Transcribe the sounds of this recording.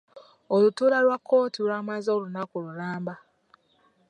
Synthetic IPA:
olutuːlaɾwakʰːoːtiɾaːmazolunakuɾuɾaːmba

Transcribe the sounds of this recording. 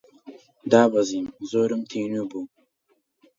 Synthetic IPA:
d̪aːbɐziːmzoːɾimt̪ʰiːnubuː

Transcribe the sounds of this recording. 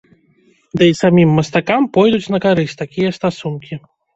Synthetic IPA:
d̪ɨisamʲimːɐst̪akampɔjd̪ut͡sʲnɐkaɾɨsʲt̪akʲijɐst̪asunkʲi

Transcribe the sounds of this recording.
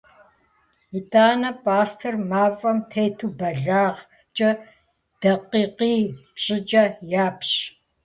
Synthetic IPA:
itʰʼaːnɐpʼaːstʰɐrmaːvʼɐmtʰejtʰubɐɮaːʁ | t͡ʃʼɐ | d̥ɐqiːqiːpɕʼɪt͡ʃʼɐjaːpʰɕ

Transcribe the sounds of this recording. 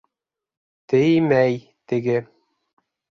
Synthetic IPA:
t̪ɘjmæj | t̪ɘ̆ɡɘ

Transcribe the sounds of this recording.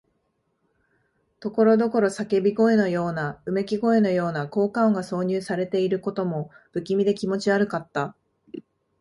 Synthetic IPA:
t̪o̞ko̞ɾo̞d̪o̞ko̞ɾo̞sake̞bʲiɡo̞e̞no̞jo̞ːnaɯ̟me̞kʲiɡo̞e̞no̞jo̞ːnako̞ːkaoŋɡaso̞ːɲ̟ɨːsaɾe̞t̪e̞iɾɯ̟ko̞t̪o̞mo̞ | b̥ɯ̟kʲimʲid̪e̞kʲimo̞t͡ɕiaɾɯ̟kat̪ːa

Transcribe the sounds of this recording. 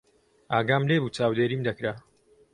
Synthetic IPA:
aːɡaːmleːbuːt͡ʃaːwd̪eːɾiːmd̪ɐkɾa

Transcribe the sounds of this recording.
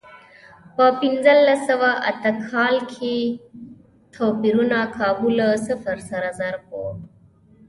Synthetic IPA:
pəpind͡zɐlːɐsɐwaʔɐt̪ɐkʰːaːlkʰi | t̪ʰoːpiɾunakʰaːbuləsəfəɾsɐɾɐzɐɾpo̰

